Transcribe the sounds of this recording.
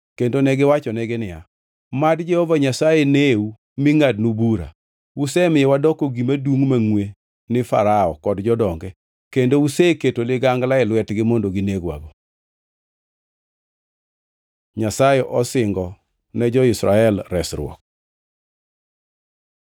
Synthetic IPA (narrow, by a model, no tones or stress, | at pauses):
kendonɛɡɪwat͡ʃɔnɛɡɪnɪja | madd͡ʒɛhɔvaɲasajeneu | mɪŋadnubuɾa̰ | wusɛmɪjɛwadɔkoɡimaduŋmaŋwe | nɪfa̰ɾaɔkɔdd͡ʒɔdɔŋɡɛ | kendouseketolɪɡaŋɡlaɪlwɛtɡɪmondoɡɪneɡwa̰bo | ɲasajeʔɔsɪŋɡɔ | nɛd͡ʒɔɪsɾaɛlɾɛsɾʊ̰ɔ̰k̚